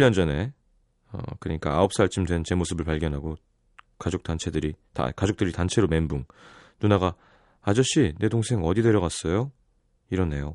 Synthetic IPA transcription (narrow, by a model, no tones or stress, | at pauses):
iʎːʌnd͡ʑʌne̞ | ʌ̰kɯɾʌɲik͈aaop̚s͈aɭt͡ɕʰɯmdwe̞nt͡ɕe̞mosʰɯbɯɭpaɭɡjʌnɦaɡo | kad͡ʑok̚t͈ant͡ɕʰe̞dɯɾita̰kad͡ʑok̚t͈ɯɾitant͡ɕʰe̞ɾome̞nbuŋ | nunaɡa | ad͡ʑʌɕ͈ine̞doŋsʰe̞ŋʌdidwe̞ɾjʌɣas͈ʌjo | iɾʌnːe̞jo